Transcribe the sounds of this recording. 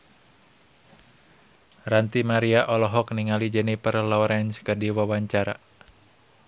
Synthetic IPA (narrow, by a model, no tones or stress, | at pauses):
rant̪imaɾiaʔɔlɔɦɔk̚niŋalid͡ʒɛnipərlɔɾɛnskədiwawaɲt͡ʃaɾa̰